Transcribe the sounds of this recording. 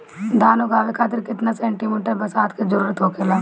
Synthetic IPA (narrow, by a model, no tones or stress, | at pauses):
d̪ʱaːnokʰaːʋekʰaːt̪ɪɾkɪt̪nasɛ̃ːɳʈimeːʈəɾbɐsaːt̪ked͡ʒəɾuːɾət̪ɦoːkelaː